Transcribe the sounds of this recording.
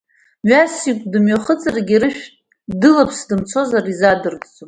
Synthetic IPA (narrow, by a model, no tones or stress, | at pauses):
ɥasikʷʼdɨmɥaχət͡sʼaraɡʲiɾɨʃᶣtʼ | dɨlapʰsdɨmt͡sʰo̞zarizadɨrʼt͡sʼopʼ